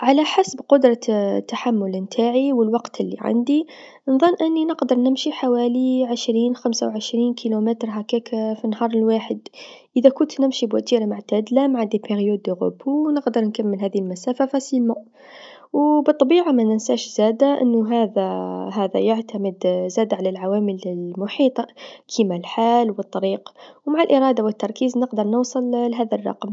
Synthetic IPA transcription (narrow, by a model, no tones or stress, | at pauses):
ʕalaħasbqʊd̪ɾˤɑt̪ːaħamːʊlnt̪ʰaːʕiwəlwɑqt̪lːḭʕa̰nd̪i | nðˤɑnːʔɪnːinəqd̪ɑɾˤnɪmʃiħawæːliʕɪʃɾiːnxamsawʕɪʃɾiːnkʰilomɪt̪ɾɦakekfinːhɑːɾˤəlwaːħəd̪ʔəðakʊnt̪nɪmʃibwat̪iːɾamʊʕt̪ad̪lamʕand̪ipeɣjuːd̪oɣʊ̰bunəqd̪əɾˤnkamːəlɦæːðilmæsaːfafæsilma | wbɨt̪ˤːɑbiːʕamænɪnsaːʃzæːd̪aʔɪ̰nːʊɦaːðaɦæːða̰jaʕt̪amɪd̪zæːd̪ʕalalʕawaːmɪlɪlmʊħiːt̪ˤɑkʰimalħaːlwɨt̪ˤːɑɾiːqwmaʕalʔɪɾˤɑːd̪awɪt̪ːɑɾˤkiːznɪqd̪əɾˤnʊwsˤɨllɦaːðarˤːɑ̰qm